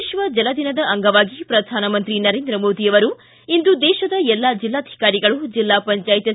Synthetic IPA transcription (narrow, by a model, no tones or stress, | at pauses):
ʃʋɐd͡ʒɐlɐd̪inɐd̪ɐʔɐŋɡɐʋaːɡipɾɐd̪ʱaːnɐmɐnt̪ɾinɐɾeːnd̪ɾɐmoːd̪iɐʋɐɾu | ind̪ud̪ɛːʃɐd̪ɐɛlːad͡ʒilːaːd̪ʱi̥kaːɾiɡɐɭud͡ʒilːaːpɐɲt͡ʃaːjit̪jɐ